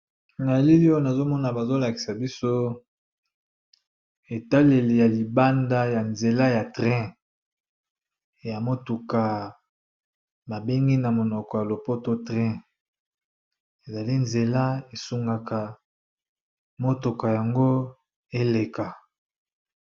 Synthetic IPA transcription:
na˨e˨˦li˦li˦o˦na˨zo˦mɔ˦na˨ba˨zo˦la˨ki̥˨sa˨bi˦so˦ | e˨ta˦le˨li˨ja˨li˨ba˦nda˦ja˨nze˨la˦ja˨tʁɛ̃˦ | ja˨mo˦tu˨ka˨ | ba˨be˦ŋɡi˦na˨mo˨nɔ˨kɔ˨ja˨lo˨po˦to˦tʁɛ̃˦ | e˨za˨li˦nze˨la˦e˨su˦ŋɡa˨ka˨ | mo˦to˨ka˨ja˨ŋɡo˦ | e˦le˨ka˨

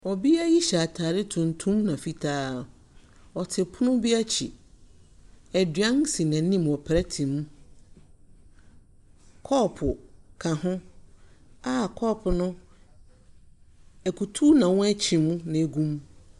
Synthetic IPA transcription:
ɔ˨bi˦a˦ji˦ɕa˨tʰaː˨ɾɪ˦tʰʊ̃˨n˨tʰũ˦mnã˨fi˦tʰaː˦ | ɔ˨tʰɪ˨pʰʊ˦nʊ̃˦bi˦a˦t͡ɕʰḭ˨ | ɛ˨dɥã˦n˦si˨nã˨˦nĩ˦mɔ˨pʰɾɛ˦tʰĩ˨mũ˦ | kʰɔ˦˨pʰʊ˨kʰã˨hʊ̃˦ | a˦˨kʰɔ˦˨pʰʊ˨nʊ̃˦ | ɛ˨kʰu˨tʰu˦nã˨wʊ̃˦æ˦t͡ɕʰĩ˨mũ˦nã˨e˨ɡũ˦m

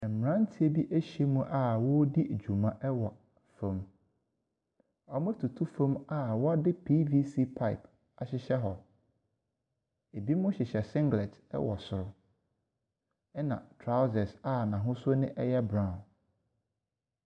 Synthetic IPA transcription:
ɛ˨m̩˨ã˦n̩˦tʰi˦e˦bi˦ʔæ˦ɕi˨e˦mũ˦ʔa˨wɔ˦di˦˨d͡ʑᶣu˨mã˦ʔɛ˦wɔ˨ | fã˦m | ɔ˨m˦ɛ˦tʰu˨tʰu˦fã˦ma˨wɔ˦a˦dɪ˦pʰiː˦vi˦si˦pʰa˦ɪ̰˨p | a˨ɕɪ˨ɕɛ˦ɦɔ˨ | e˨bi˦mʊ̃˦ɕɪ˨ɕɛ˨sɪ̃˦ŋɡlɛ˨tɛ̰˦wɔ˨sʊ˨ɾʊ˦ | ɛ˦nã̰˨tʰɾa˦ʊ˦zɛ˨sa˨nã˨ɦʊ̃˦sʊ˦o˦nɪ̃˦ʔɛ˦jɛ˦bɾã˨

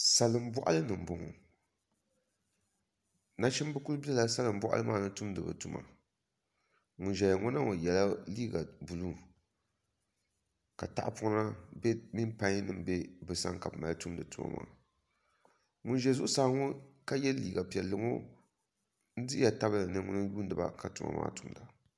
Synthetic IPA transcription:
sa˨lɨ˨m˦bɔ˦ʔa˦lɨ˦nɨ˨m˨bʊ˨ŋo̰˨ | na˦t͡ʃɛ˦m˦bɨ˦ku˦lbi˦ɛ˦la˨sa˦lɨ˨m̩˦bɔ˦ʔa̰˦lɨ˦maː˦˨nɨ˦tu˦mdɨ˨bɨ̰˨tu˨ma̰˨ | ŋʊ˨nʒɛ˨ja˨ŋʊ˦na˦ŋo˨jɛ˨la˦liː˦ɡa˨bu˨lu˦˨ | ka˨ta̰˦ʔa˦pʊ˦na˦bɛ˦mi˦npã˦ɲ˦nɨ˦mbɛ˦bɨ˨sa̰˦ŋka˨bma̰˨ltu˦m˦dɨ˨tu˨ma̰˨ma̰ː˨ | ŋʊ˦nʒɛ˨zu˦ʔʊ˦sa˨˦ŋo˦ka˦jɛ˦lliː˨ɡa˨pi˨ɛ˨lːɨ˨ŋo̰˦ | n̩˦dɨ˦a˨ta˦bɨ˦la˨nɨ˦ŋʊ˦nɨ˦juː˦n˦dɨ˨ba̰˨ka˨tu˨ma̰˨mʔa̰ː˦tu˨˦mda˨

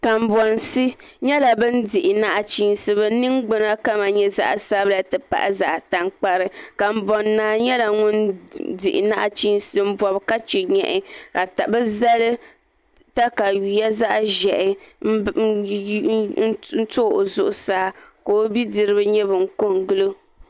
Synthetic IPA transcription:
ka˨m̩˨bɔ˨nsɨ˦ | ɲɛ˦la˨bɨ˦n̩˦dɪ˨ʔɪ˨na˦ʔa˦t͡ʃi˦n˦sɨ˦bɨ˦nɨ˦ŋɡ͡bɨ˦na˦ka˦ma˨ɲɛ˦za̰˦ʔsa˦bɨ˦la˨tɨ˨pa̰˨ʔa˦˨za̰˨ʔta˨ŋk͡pa˦ɾɨ˨ka˨m̩˨bɔ˨nːaː˨ɲɛ˦la˨ŋʊ˦ndɪ˨ʔɪ̰˨na˦ʔa˨t͡ʃi˦nsɨ˦m̩˦bɔ˨bka˦t͡ʃɛ˨ɲɛ̰˨ʔɪ˨ka˨ta˨bɨ˦za˦lɨ˦ | ta˦ka˨ɥi˨ja˦za˦ʔʒɛ˨ʔɪ˨˦ | n̩˦n̩˦to˦˨ʔo˨zʊ˦ʔʊ˦saː˦koː˦bi˦dɨ˨ɾɨ˦bɨ˦ɲɛ˦bɨ˨ŋ̩˦ko˦ŋɡɨ˦lɨ˦

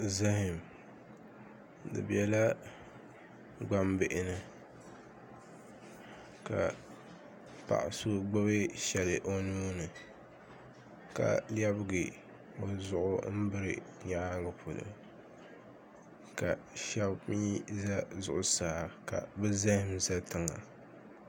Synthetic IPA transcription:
za˦ɦɪ˨m | dɨ̰˨bɛ˨la˦ | ɡ͡ba˦mbɪ˦˨ʔɪ˨nɨ˨ | ka̰˨ | pa̰˨ʔɪ˨so˦ɡ͡bɨ˦βe˦ʃɛ˨lɨ˨ʔo˦nuː˦nɨ˨ | ka̰˨ljɛ˦bɨ˦ɡɨ˨ | o˨zʊ˨ʔʊ̰˦m̩˦bɨ˦ɾɨ̰˨ | ɲa˨ʔŋɨ˨pʰʊ˨lɨ̰˨ | ka˨ʃɛ˦bmiː˦za˦zʊ˨ʔʊ˦saː˨ka̰˨bɨ˦za˦hɪ˦mza˦tɨ˨ŋa̰˨

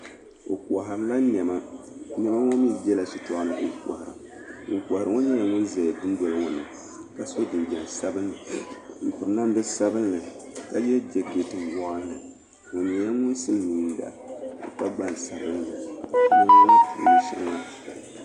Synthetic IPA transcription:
o̰˨ka˨ɦa˨ɾla˦nɛ˨ma˦nɛ˦ma˦ŋo˦mi˦bɛ˦la˨si˨tɔ˦a˦nɨ˨ʔo˦ka̰˨ha˨ɾa̰˨ | ŋ̩˨kʷa˨hɾɨ˨ŋo˦ɲɛ˦ja˦ŋʊ˦nza˨dɨ˦n˦do˨lɨ˦ŋɔ˨nɨ̰˨ | ka˨so˦dɨ˨nd͡ʒɛ˨n˨sa˦bɨ˦nːɨ˨ŋ̩˨pʊ˨ɾɨ˨na˦m˦bɨ˦sa˦bɨ˦nːɨ˨ | ka˦jɛ˦d͡ʒɛ˨ɡe˨tɨ˨mwa˦n˦nɨ̰˨ | o˨ɲɛ˨ja˦ŋʊ˦nsɨ˦n˦ni˨˦n˦da̰˨ | o̰˨ta˦ɡ͡ba˦n˨sa˨ɾɨ˦nː˦ɨ˨na˦ʊ˦n˦ni˨˦ʃɪ˦ɾŋa˦˨

